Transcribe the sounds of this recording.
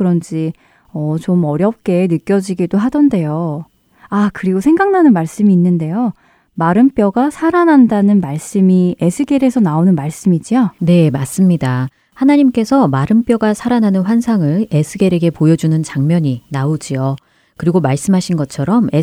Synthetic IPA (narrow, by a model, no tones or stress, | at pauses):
kɯɾʌnd͡ʑi | ʌt͡ɕomʌɾjʌp̚k͈e̞nɯk͈jʌd͡ʑiɡidoɦadʌnde̞jo | akɯɾiɡosʰe̞ŋɡaŋnanɯnmaɭs͈ɯmiːnːɯnde̞jo | maɾɯmp͈jʌɡasʰaɾanandanɯnmaɭs͈ɯmie̞sʰɯɡeɾe̞sʰʌnaonɯnmaɭs͈ɯmid͡ʑione̞mas͈ɯmɲida | hanaɲimk͈e̞sʰʌmaɾɯmp͈jʌɡasʰaɾanɦanɯnɸwansʰaŋɯɭe̞sʰɯɡe̞ɾe̞ɡe̞pojʌd͡ʑunɯnt͡ɕaŋmjʌɲinaod͡ʑio | kɯɾiɡomaɭs͈ɯmɦaɕʰinɡʌt͡ɕʰʌɾʌme